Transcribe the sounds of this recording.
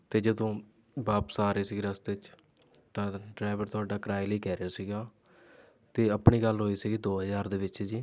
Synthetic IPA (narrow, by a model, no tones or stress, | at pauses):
t̪eːd͡ʒəd̪õː | baːpsaːɾeːsiːɡiɾəst̪ɪt͡ʃ | t̪ãːɖɾaːɪʋəɾt̪ʊaːɖaːkəɾaːiləiːkɛːɾeaːsiːɡaː | t̪eːəpɳiːɡəlɦoːiːsiːɡiːd̪oːɦəzaːɾd̪eːʋɪt͡ʃd͡ʒiː